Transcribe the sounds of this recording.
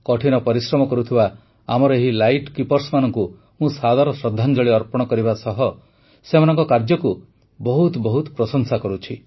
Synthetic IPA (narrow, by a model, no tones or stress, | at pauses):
kɔʈʰinɔpɔɾisɾɔmɔkɔɾut̪ʰiba | a̰mɔɾɔeɦilajʈkipɔɾsmanɔŋku | mũsad̪ʱaɾɔsɾɔd̪ʱːand͡ʒɔɭiɔɾpɔɽ̃ɔkɔɾibasɔɦɔ | semanɔŋkɔkaɾd͡ʒɔku | bɔɦut̪bɔɦut̪pɾɔsɔnsakɔɾut͡ʃʰi